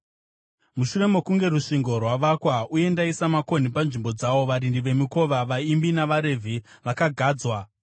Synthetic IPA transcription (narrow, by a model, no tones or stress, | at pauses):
muʃure̞mo̞kuŋɡe̞ruʂiŋɡo̞rwaʋakwauje̞ndaisamako̞nipanʐimbo̞d͡zawo̞ʋaɾindiʋe̞miko̞ʋaʋaimbinaʋaɾe̞vʱi | ʋakaɡʱaːd͡zwa